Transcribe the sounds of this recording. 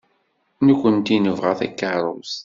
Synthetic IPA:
nukʷːənt̪inəvʁæθæ̰kːəɾˤəs

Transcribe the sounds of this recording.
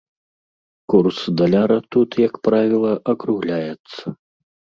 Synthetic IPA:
kursd̪ɐlʲaɾɐt̪ut̪jɐkpɾavʲilˠɐʔɐkɾuɣlʲajɛt̪sːɐ

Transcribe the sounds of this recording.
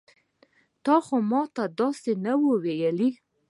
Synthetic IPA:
t̪ɑxomɑt̪ad̪ɑsenawəwejəli

